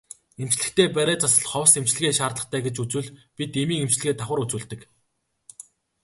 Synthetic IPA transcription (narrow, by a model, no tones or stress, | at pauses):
em̥t͡ɕɮɘ̆kt̪eːpæɾʲæːt͡sasə̆ɮχɔwsem̥t͡ɕɮɘ̆ɣeːʃaːrt̪ɮə̆χt̪ʰæːɡet͡ɕut͡suːɮpʲit̪emiːŋem̥t͡ɕɮɘ̆ɣeːt̪ʰaχwə̆ɾut͡suːɮt̪ɘ̆k